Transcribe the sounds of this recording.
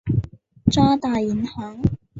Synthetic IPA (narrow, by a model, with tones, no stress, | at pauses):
t͡sɔː˥t̪aː˨˧ji˨˥nhɔː˨˥ŋ